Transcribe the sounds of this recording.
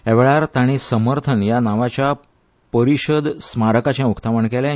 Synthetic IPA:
eʋɭaɾt̪aɽ̃isəməɾt̪ʰənjanaʋat͡ɕja | pəɾiɕəd̪smaɾəkat͡ɕjãukt̪aʋəɳkɛla

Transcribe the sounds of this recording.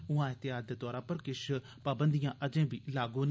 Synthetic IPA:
ʊãːɪt̪ɪaːd̪t̪ɔːɾãːpəɾkɪʃ | paːbənd̪ijãːʔəd͡ʒẽːbiːlaːɡõːn

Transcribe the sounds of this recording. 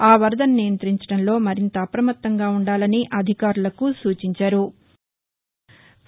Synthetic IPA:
aːʋɐɾd̪ɐnːijɐnt̪ɾiɲt͡ʃɐ̥ɽɐnlo̞ːmɐɾint̪ɐːpɾɐmɐt̪ːɐŋɡaːuɳɖaːlɐniʔɐd̪ʱikaːɾulɐkusuːt͡ʃiɲt͡ʃaːɾu

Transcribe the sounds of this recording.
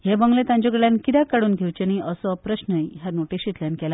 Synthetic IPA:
ɦebəŋɡlet̪ãɲd͡ʑɔɡəɭjãnkid̪akaɽuːnɡʱewt͡ɕeniʔəsɔpɾəɕnəɦaɾnoʈiɕit̪ljankɛla

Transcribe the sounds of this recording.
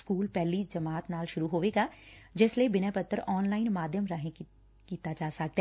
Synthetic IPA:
skuːlpɛɦlid͡ʒɐmaːt̪naːlʃʊɾuɦoːʋeːɡad͡ʒɪslebɪnapət̪ːəɾɔːnlaːɪnmaːd̪ʱjəmɾəɦẽ | kiːt̪ad͡ʒaːsɐk̚t̪ː

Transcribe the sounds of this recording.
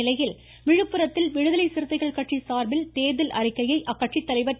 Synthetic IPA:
ɪlɐjɪl | ʋɪɻɯpːɯɾɐt̪ːɪlʋɪɻɯðɐlɐɪsɪɾɯt̪ːɐɪɣɐɭkɐʈʂisaːɾbɪlt̪eːðɪlʔɐ̰rɪkːɐjɐɪʔɐkːɐʈt͡ʃit̪ːɐlɐɪʋɐɾ

